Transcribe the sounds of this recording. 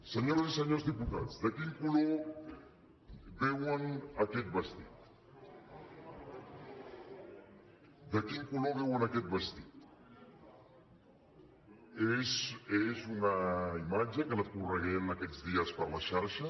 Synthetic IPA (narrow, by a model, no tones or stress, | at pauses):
səɲoɾasiseɲozðiput̪a̰t͡sd̪akiŋkulo | βewanaket̪̚bəst̪it̪̚ | d̪akiŋkuloβewanaket̪̚bəst̪it̪ | esezunaimad͡ʒakəlakureɣenaked͡zðiaspəɾlaʃaɾʃa